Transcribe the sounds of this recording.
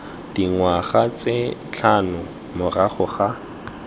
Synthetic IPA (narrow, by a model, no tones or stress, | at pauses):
d̥iŋwaχat͡set͡ɬʰanʊ | mʊraχʊχa